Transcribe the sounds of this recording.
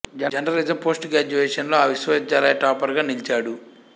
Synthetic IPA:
d͡ʒɐɐnɾɐɾiːd͡ʒɐmpoːsʈɡaːd͡ʒuʋeːʂɐnlo̞ːaːʋiʃʋɐd͡ʒaːlɐjɐʈaːpɐɾɡaːnilt͡ʃaːɽu

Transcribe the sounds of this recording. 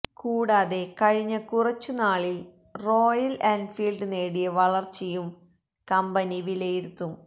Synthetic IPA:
kuːɽaːðe̞kɐɻiɲːɐkurɐt͡ɕːunaːɭi | ro̞ːjɐlɐnɖfiːlɖɨneːɽijɐʋɐɭɐrt͡ɕejːum | kɐmbɐniʋilejiɾut̪ːum

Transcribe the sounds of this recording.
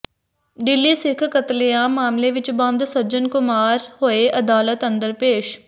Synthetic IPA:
ɖɪlːiːsɪkʰkət̪lejãːmaːmleːʋɪt͡ʃbãːnd̪səd͡ʒənkʊmaːɾɦoːeːʔəd̪aːlət̪ə̃nd̪əɾpeːʃ

